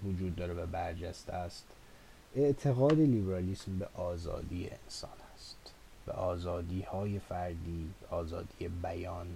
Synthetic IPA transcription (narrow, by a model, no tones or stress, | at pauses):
vod͡ʒuːd̪̚ːɒːɾevæbæɾd͡ʒæst̪eæst̪ | e̞ʔt̪ʰe̞ɣɒːd̪eliːbeɾɒːliːsmbeʔɒːzɒ̰ːd̪iːjḛensɒ̰ːnæst̪ | b̥ḛʔɒːzɒːd̪iːhɒːje̞fæɾd̪iːbeʔɒːzɒːd̪iːjebæjɒːn